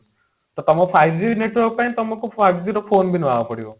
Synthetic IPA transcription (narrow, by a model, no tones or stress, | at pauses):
t̪ɔt̪ɔmɔpʰajzineʈwɔk̚paj̃t̪ɔmɔkuajziɾɔpʰonbinɔabɔpɔɽibɔ